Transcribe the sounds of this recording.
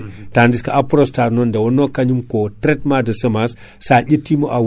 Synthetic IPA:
tandiskaapuɾostaɾnondewonokaɲumkotɾet̚madəsəmas | saɟitːimoʔa

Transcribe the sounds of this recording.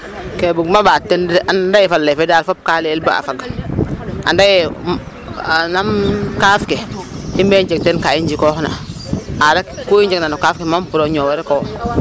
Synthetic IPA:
kebuɡmabatːɛnʔanndajifalːefedaːlfop̚kaleːlbaa̰faɡa | a̰ndajɛ | namkaːfkeimbeɲd͡ʒek̚tenkaiɲd͡ʒikoːhna̰aɾakkuiɲd͡ʒeknanokafkemampuɾoɲowɛɾekow

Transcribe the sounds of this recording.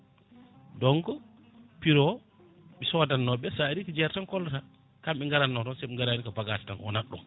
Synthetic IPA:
dɔŋkɔ | piɾɔ | ɓisɔwadanːɔɓɛsaɾikid͡ʒɛɾtankɔlːata | kamɓiŋɡaɾanːɔtɔnsɛɓiŋɡaɾanikabaɡatɛ̥tanʔɔ̰naɗɔ̰m

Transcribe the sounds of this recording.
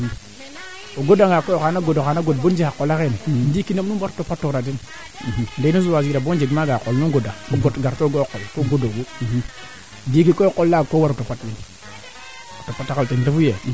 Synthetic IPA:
oɡodaŋakojokanaɡodoxanaɡot̚bond͡ʒiakːolakenndikinomnubaɾotopatːoɾadin | ndenusuwaziɾabond͡ʒeɡmaɡakolnuɡodaoɡotɡaɾtoɡookolkoɡodoɡu | dikikookolːaɡkowaɾotopatbin | otopatːakatintafuje

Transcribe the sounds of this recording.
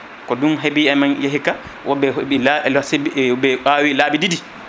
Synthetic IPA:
kɔdunɦebiɛmanjaɦika | wʔɔbɛilasbɛɓaːwilaːbididi

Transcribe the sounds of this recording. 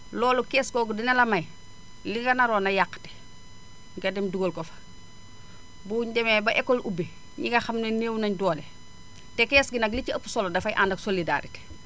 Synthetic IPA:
lɔːlukɛːskɔɡdinɐlɐmɐj | liɡɐnɐɾɔnɐjakːte̥ | ŋɡɐdɛmduɡolkɔfɐ̥ | buːɲɟɛmɛbɐʔɛkːolʔube | ɲiŋɡɐxamneneːwnɐɲdɔːle | tɛkɛːsɡinɐk̬liciɐpu̥sɔlodɐfɐjʔandɐksolida̰ɾite̥

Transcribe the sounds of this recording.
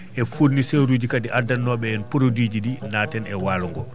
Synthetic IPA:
ʔɛfuɾniseɾud͡ʒikadiʔadanːɔɓɛɛnpuɾodid͡ʒidinaːtɛnɛwaːluŋɡɔ

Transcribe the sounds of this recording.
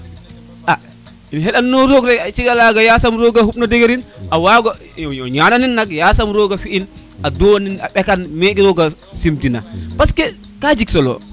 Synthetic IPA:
ʔa | inɦɛɗanːɔɾɔɡɾɛat͡ʃiɡalaɡajasamɾɔɡahupnadɛɡeɾinʔawaɡɔ | jɔɲananinːakjasamɾoɡafiʔin | adɔwnina̰ɓɛkanmekiɾɔɡa | simtina̰paskɛ | kad͡ʒiksɔlɔ̰

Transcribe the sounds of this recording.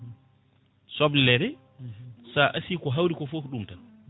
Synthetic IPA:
sɔblɛɾɛ | saʔasiːkɔɦawɾikɔfokɗumtan

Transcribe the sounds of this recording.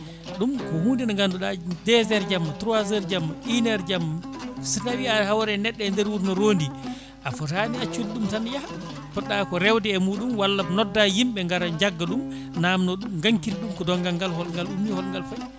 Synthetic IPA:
ɗumkɔhundinɔŋɡanduɗadɛzɛɾd͡ʒamːatɾuwazɛɾd͡ʒamːaʔinɛɾd͡ʒamːasitawiahawɾɛnɛɗːɛndɛɾwuɾnɔɾoːndi | ʔafɔtaniat͡ʃulɗumtanja | pɔɗakɔɾɛwdɛɛmuːɗumwalːabnɔdːajimɓɛŋɡaɾaɲd͡ʒaɡːaɗum | namnɔɗumɡaŋkilɗumkɔdɔŋɡaŋɡalhɔlŋɡalumːihɔlŋɡalfaj

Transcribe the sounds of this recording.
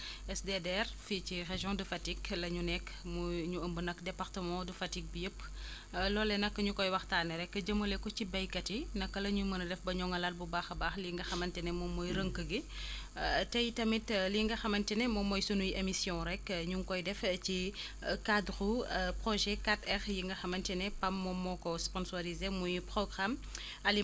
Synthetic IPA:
ɛsdedɛrficireʒjɔ̃dəfatiklɐɲunɛkː | muɲuəmbunɐkdɛpaɾtəmɔ̃dufɐtik̚bijəpː | lɔːlːɛnɐkːɐɲukɔjwɐxtaːnɐɾɛkːəd͡ʒɐmːɐlɛkɔcibɐjkɐtinɐkːɐlɐɲumɐnɐdɛfbɐɲɔŋɐlalbubaːxɐbaːxliŋɡɐxɐmɐntɛnɛmɔmɔjɾəŋkəɡi | tɛjtɐmitliŋɡɐxɐmɐntɛnɛmɔmɔjsunujʔemisjɔ̃ɾɛkɲuŋkɔjdɛfci | kadxupɾɔʒɛkatɛxjiŋɡɐxɐmɐntɛnɛpɐmːɔmːɔkɔspɔnsoɾizemujpɾɔɡʁam | ɐli

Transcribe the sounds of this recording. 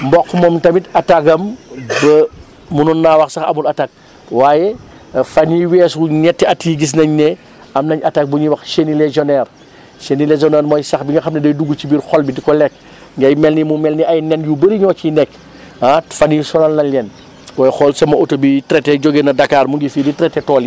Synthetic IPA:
mbɔkːmɔːmtɐmitɐtakɐmbɐ | mununːaːwɐxsɐxɐ̰mulɐtak̚ | waːjɛ | fɐniwɛːsuɲɛtːɛɐtːiɡis̬nɐɲnɛ | ɐmnɐɲɐtak̚buɲiwɐxʃenilezɔnɛːr | senilezɔnɛːɾmɔːjsɐxbiŋɐxɐmnɐdɐjduɡut͡ʃibirxɔlbidikɔlɛk̚ | ŋɡɐjmɛlnimumɛlniɐjnɛnjubəɾiɲɔːcinɛkː | afɐnisɔnɐlnɐlɛn | wɔjxɔlsɐmɐotobitɾɛtɛɟɔɡeːnɐdɐkaːrmuŋɡifiːditɾɛtːɛtɔːli

